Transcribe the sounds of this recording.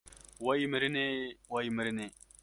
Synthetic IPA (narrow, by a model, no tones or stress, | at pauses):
waiməɾinewajməɾine